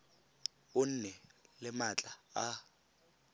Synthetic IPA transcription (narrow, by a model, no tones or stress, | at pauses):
ʊn̩nɛlɪmat͡ɬʼaa